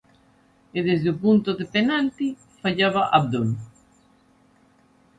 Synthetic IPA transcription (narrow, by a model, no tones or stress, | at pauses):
eðezðeopunt̪oðepenalt̪i | faʎaβaʔaβd̪on